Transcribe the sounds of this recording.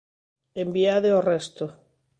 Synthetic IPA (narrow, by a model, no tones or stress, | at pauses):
embiaðeorɛst̪o